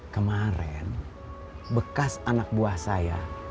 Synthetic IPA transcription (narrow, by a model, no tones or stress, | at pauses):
kəmaɾɛn | bəkasanak̚buahsaja